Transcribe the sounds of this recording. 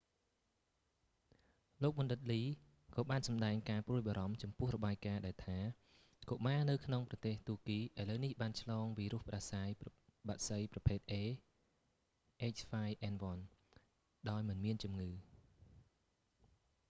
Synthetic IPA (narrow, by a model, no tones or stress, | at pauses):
loːk̚ɓɑnɗɨt̪̚liː | kɑːɓaːnsɑmɗaɛŋkaːpruəjɓaːɾɑmt͡ɕɑmpʊ̆əhrɔɓaːjkaːɗaɛlt̪ʰaː | koʔmaːnɨwkʰnoŋprɑt̪eːht̪uəkiːʔaələwnihɓaːnt͡ɕʰlɑːŋʋiːɾŭəhpɗasaːjɓaʔ̪səjprɑpʰeːt̪̚ʔeː | ʔeːt͡ɕfaːjʔɛnʋŏn | ɗaɔjmɨnmiənt͡ɕumŋɨː